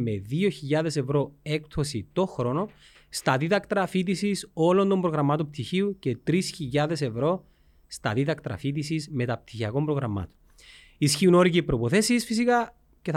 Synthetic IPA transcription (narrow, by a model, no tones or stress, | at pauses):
me̞ðio̞çiʎːɐðe̞se̞vɾo̞e̞kt̪o̞sit̪o̞xɾo̞no̞ | st̪ɐðiðɐkt̪ɾɐfit̪̬isiso̞lo̞nd̪o̞mbɾo̞ɣɾɐmɐt̪omp̚t̪içiuce̞t̪ɾisçiʎːɐðe̞se̞vɾo̞ | st̪ɐ̰ðiðɐkt̪ɾɐ̰fit̪̬isizme̞t̪ɐp̚t̪içiɐko̞mbɾo̞ɣɾɐmɐ̰t̪o̥n | isçiuno̞ɾicepːɾoipo̞θe̞sisfisikɐ | ceθ